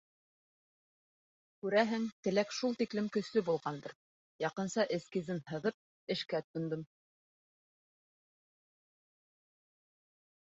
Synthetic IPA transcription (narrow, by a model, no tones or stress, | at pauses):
kʉɾæɦɘŋt̪ɘ̆lækʃulˠt̪iklɘmkɵ̆slɵbulˠʁɑnd̪ɤɾ | jɑqɤ̆nsɑʔɘ̆skizɘnhɤ̆ðɤp̚ | ɘ̆ʃkæt̪ŏnd̪ɤm